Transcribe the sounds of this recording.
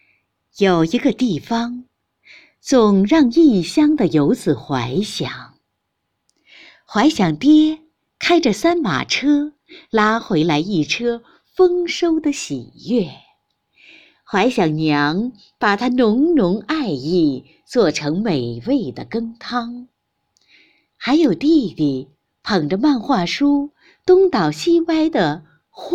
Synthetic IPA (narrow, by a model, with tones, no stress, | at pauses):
jo˨˩ʊi˧˥ɡə˧t̪i˥˩fɑ˧˥ŋ | t͡sʊ˨˩ŋɻɑ˥˧ŋi˥˩ɕjɑ˥ŋd̪ə˨jo˧˥ʊt͡sɹ̩˨˩xwa˧˥ɪɕjɑ˨˩˦ŋ | xwa˧˥ɪɕjɑ˨˩ŋt̪jɛ˥ | kʰa˥ɪʈ͡ʂə˨sa˥nma̰˨˩ʈ͡ʂʰɤ˥ | la˥xwe˧˥ɪla˧˥ɪi˥˩ʈ͡ʂʰɤ˥ | fɤ˥ŋʂo˥ʊd̪ə˨ɕḭ˨˩jɛ˥˩ | xwa˧˥ɪɕjɑ˨˩ŋnjɑ˧˥ŋ | pa˨˩t̪ʰa˥nʊ˧˥ŋnʊ˧˥ŋa˥˧ɪi˥˩ | t͡swɔ˥˩ʈ͡ʂʰɤ˧˥ŋme˨˩ɪwe˥˩ɪd̪ə˩kɤ˥ŋt̪ʰɑ˥ŋ | xa˧˥ɪjo˨˩ʊt̪i˥˧li˨˩ | pʰɤ˨˩ŋʈ͡ʂə˧ma˥˧nxwa˥˩ʂu˥ | t̪ʊ˥ŋt̪ɑ˨˩ʊɕi˥pa˥ɪd̪ə˨ | x